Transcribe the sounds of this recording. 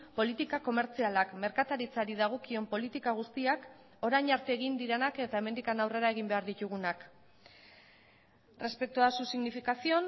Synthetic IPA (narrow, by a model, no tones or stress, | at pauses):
po̞lit̪ikako̞me̞ɾt͡sialakme̞ɾkat̪aɾit͡saɾiðaɣ̞o̞kio̞mpo̞lit̪ikaɣ̞ust̪iak | o̞ɾajɲaɾt̪eːɣind̪iɾe̞nake̞t̪ae̞me̞nd̪ikanawre̞ɾae̞ɣ̞imbeaɾðit̪uɣ̞unak | re̞spe̞k̚t̪uasusiɣnifikasio̞n